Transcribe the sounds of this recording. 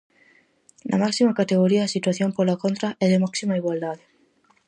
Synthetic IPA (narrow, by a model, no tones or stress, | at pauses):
nʔa̰maksimakat̪eɣoɾiasit̪waθjompolakont̪ɾaʔɛðemaksimaiɣwald̪aðe